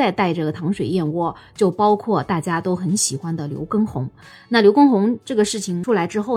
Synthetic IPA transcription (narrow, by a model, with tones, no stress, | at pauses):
a˥˧ɪt̪a˥˧ɪʈ͡ʂɤ˥˩ɡə˩t̪ʰɑ˧˥ŋʂwe˨˩ɪjɛ˥˧nwɔ˥˩ | t͡ɕjo˥˩ʊpɑ˥ʊkʰwɔ˥˩t̪a˥˩t͡ɕja˥t̪o˥ʊxə˧˥nɕi˨˩xwa˥nd̪ə˨ljo̰˧˥ʊkɤ˥ŋxʊ˧˥ŋ | na˥˩ljo˧˥ʊkɤ˥ŋxʊ˧˥ŋʈ͡ʂɤ˥˩ɡə˩ʂɻ̩˥˩t͡ɕʰi˨˩ŋʈ͡ʂʰu˥la˧˥ɪʈ͡ʂɻ̩˥xo˥˩ʊ